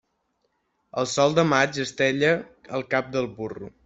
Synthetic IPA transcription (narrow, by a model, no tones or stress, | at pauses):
əlˠsɔlˠd̪əmad͡ʒəst̪ɛʎəəlˠkap̚d̪əlˠβurṵ